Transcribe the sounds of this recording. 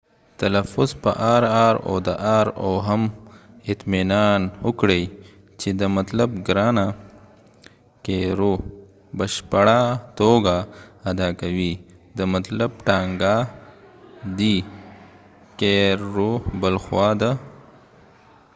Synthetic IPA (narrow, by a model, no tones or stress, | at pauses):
t̪ɐlɐfʊzpəʔaːɾaːɾo̰d̪əʔaːɾoɦɐmɪt̪minaːnʊkɽej | t͡ʃed̪əmɐt̪lɐbɡɾaːna | keɾo | bɐʃpɐɽat̪oɡaːd̪akɐwid̪əmɐt̪lɐb̚ʈaːŋɡa | d̪i | keɾobəlxwaːd̪a